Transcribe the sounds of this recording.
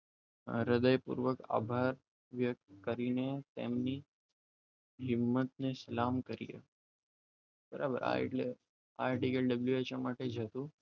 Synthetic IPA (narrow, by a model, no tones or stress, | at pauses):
ɾəd̪əjpṵɾʋəka̰bʱaɾ | ʋjək̚t̪kəɾinet̪ḛmni | ɦɪmːət̪̚nesəlamkəɾḭjḛ | bəɾabə̰ɾa̰ḛʈle | aɾʈiɡəlɖəbljuet͡ʃamaʈed͡ʒʱət̪ũ